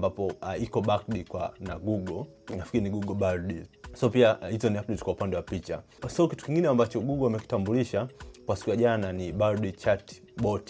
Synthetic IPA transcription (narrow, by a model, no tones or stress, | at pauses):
mbapɔikɔɓakdikwa̰na̰ɡuɡɔnafkiɾiniɡuɡɔɓaɾdisaɔpiahizɔniapdɛti̥kwaupandɛwapit͡ʃa̰ | saukitu̥kiŋɡinɛambat͡ʃɔɡuɡɔamɛki̥tambuliʃakwasi̥kujaʄananiɓaɾɗit͡ʃat | bɔt